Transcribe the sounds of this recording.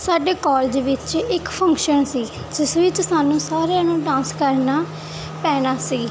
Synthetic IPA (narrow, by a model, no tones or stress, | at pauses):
saːɖeːkɔːld͡ʒʋɪt͡ʃɪkpʰə̃ŋkʃənsiː | d͡ʒɪsʋɪt͡ʃsaːnũːsaːɾeanũːɖãːnskəɾnaː | pɛːnaːsiː